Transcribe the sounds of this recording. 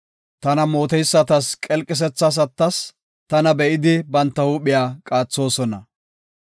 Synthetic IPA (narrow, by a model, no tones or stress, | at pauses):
t̪ɐnɐmoːt̪ɛjsːɐt̪ɐskʼɛlkʼɪs̬ɛt͡sːɐs̬ɐt̪ːɐs | t̪ɐnɐbɛʔɪd̪ɪbɐnt̪ːɐhuːɓɪjaːkʼaːt͡sːo̞ːsɔnɐ